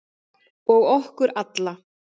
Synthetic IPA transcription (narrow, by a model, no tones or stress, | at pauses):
ɔɣɔhkʏɾat̪la